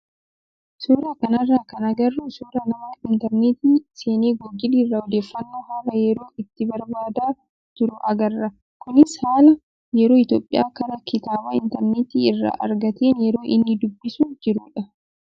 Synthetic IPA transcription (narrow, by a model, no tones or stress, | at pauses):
suːɾakɐnɐrːaːkɐnɐɡɐrːʊsuːɾɐnɐmaːɪnt̪ɛɾneːt̪iːse̞ːneːɡɔd͡ʒːɪliːrːaɔd̪eːfːɐnːoːɦɐɾɐjɛɾo̞ːɪt̪ːɪbɐɾbaːd̪aː | t̪ʊɾʊʔɐɡɐrːɐ | kʊnɪshaːlɐ | jɛɾo̞ːɪt̪oːpʼːɪ̰jaːkɐɾɐkɪt̪aːbaːɪnt̪ɐɾneːt̪iːɪrːa̰ːʔɐ̰ɾɡɐt̪eːnjɛɾo̞ːʔɪnːɪd̪ʊbːɪsud͡ʒɪɾuːᶑɐ